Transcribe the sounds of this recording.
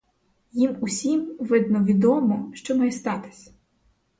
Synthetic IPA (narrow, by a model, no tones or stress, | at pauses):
jimusʲimʋɪd̪nɔʋʲid̪ɔmɔʃt͡ʃɔmɐjst̪ɑt̪ɪ̥sʲ